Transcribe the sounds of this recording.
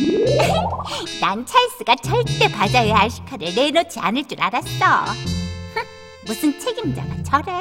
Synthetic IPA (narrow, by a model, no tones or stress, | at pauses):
nant͡ɕʰaɭs͈ɯɡat͡ɕʌɭt͈e̞pad͡ʑaɦeaɕʰi̥kʰaɾɯɭnenʌt͡ɕʰia̰nɯɭt͡ɕ͈uɾaɾas͈ʌ | musʰɯnt͡ɕʰe̞ɡimd͡ʑa̰ɡat͡ɕʰʌɾe